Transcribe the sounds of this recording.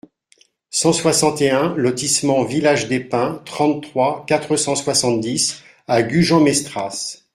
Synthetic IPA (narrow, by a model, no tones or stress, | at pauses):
sɑ̃swasɑ̃t̪eɛ̃lɔt̪ismɑ̃vilaʒd̪epɛ̃t̪χɑ̃t̪t̪ːχwakat̪χəsɑ̃swasɑ̃t̪̚d̪is | aɡʲyʒɑ̃mɛst̪χas